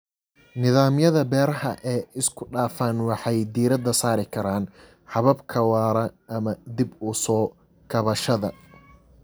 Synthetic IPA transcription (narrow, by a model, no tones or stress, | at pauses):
nɪðaːmjɐðɐbɛːɾɐhɐ̰ʔɛːɪskʰʊɖaːfaːnwɑħɑjd̪iːɾɐd̪ɐsaːɾɪkʰɐɾaːn | ħɑβɐbkʰɐwaːɾɐʔɐmɐd̪ɪbʊsɔː | kʰɐβɐʃɐðɐ̰